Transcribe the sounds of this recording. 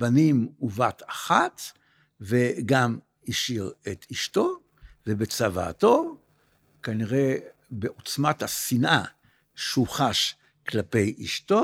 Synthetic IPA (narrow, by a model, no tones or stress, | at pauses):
banimuvat̪ʰaχat̪ | ve̞ɡam | iʃiʁet̪ʰiʃt̪o̞ | vebet͡sava̰ːt̪o̞ | kaniʁe̞beʔo̞t͡smat̪hasinʔa | ʃuχaʃ | klape̞jʔiʃto̞